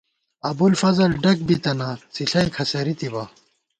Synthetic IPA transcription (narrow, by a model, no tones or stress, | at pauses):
ɐbulfɐzɐlɖɐk̚bit̪ɐnasiɬɐikʰɐsɐɾit̪iba